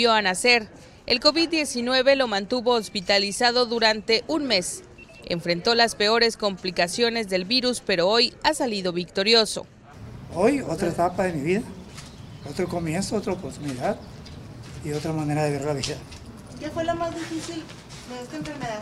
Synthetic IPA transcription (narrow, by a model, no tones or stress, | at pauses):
jo̞anase̞ɾ | ḛlko̞βid̪d̪ːje̞sinwe̞βe̞lo̞mãnt̪uβo̞ːspit̪alisað̞o̞ðuɾant̪e̞ʔunme̞s | ḛɱfɾe̞nt̪o̞laspe̞o̞ɾe̞sko̞mplikasjo̞ne̞zðe̞lβiɾuspe̞ɾo̞o̞jasaliðo̞βikt̪o̞ɾjo̞so̞̰ | ojo̞t̪ɾaet̪apaðe̞miβiða | ot̪ɾoko̞mjẽnsoot̪ɾaopoɾt̪uniðað | io̞t̪ɾamane̞ɾaðeβeɾlaβiða | kefwelamazðifisil | meust̪aeɱfeɾmeða